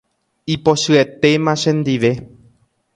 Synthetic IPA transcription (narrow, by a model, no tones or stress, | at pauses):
ipo̞ʃɨe̞t̪e̞mãʃẽ̞nd̪iʋe̞